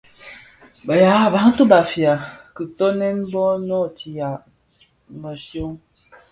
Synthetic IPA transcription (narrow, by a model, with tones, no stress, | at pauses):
bə˨ja˨˦˨ba˨˦ŋ̩˦tu˦ba˨fi˨a˨kɨ˨tɔ˦nɛ˦n˦bɔ˦nɔ˦˨si˨ja˨ | mə˨sjo˦ŋ